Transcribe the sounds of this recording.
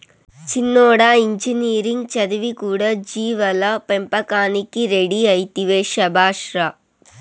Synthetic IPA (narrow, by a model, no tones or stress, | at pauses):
t͡ʃinːɔːɽaːiɲd͡ʒiniːɾiŋɡt͡ʃɐd̪iʋikuːɽɐd͡ʒiːʋɐlɐpempɐkaːnikiɾeɽiɐjt̪iʋeːʃɐbʱaːʂɾɐ